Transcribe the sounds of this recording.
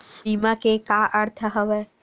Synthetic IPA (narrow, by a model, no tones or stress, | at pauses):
imãkekaʔəɽt̪ʰaɦəʋe